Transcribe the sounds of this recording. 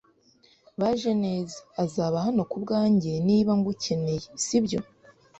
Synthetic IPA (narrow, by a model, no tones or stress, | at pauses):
βaʒe̞ne̞ːzḁːzaβahano̞kubɡaːɲɟeniːβaŋɡucʰe̞ne̞jesibjo̞